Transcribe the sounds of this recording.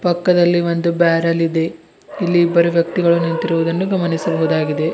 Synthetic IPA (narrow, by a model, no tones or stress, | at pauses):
pɐkːɐd̪ɐlːiʋond̪ubaːɾɐlid̪e̞ | ilːiːbːɐɾuʋjɐk̚t̪iɡɐɭunint̪iɾuʋud̪ɐnːuɡɐmɐnisɐbɐɦud̪aːɡid̪e̞